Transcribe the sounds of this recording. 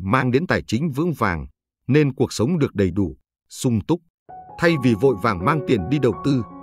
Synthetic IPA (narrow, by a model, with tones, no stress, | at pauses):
maː˧ŋɗe˨˦nt̪aː˨˩jt͡ɕï˨˦ŋ̟vɨ̰˧˥əŋva̰ː˨˩ŋ | ne˧nku˨˩ək̚sə˨˦wŋ͡mɗɨ˨˩ək̚ɗə˨˩jɗu˧˩ | sʊ˧ŋ͡mt̪ʊ˦˥k͡p̚ | t̪ʰa˧jvi˨˩vo̰˧˨jva̰ː˨˩ŋmaː˧ŋt̪i˨˩ənɗi˧ɗə˨˩wt̪ɨ˧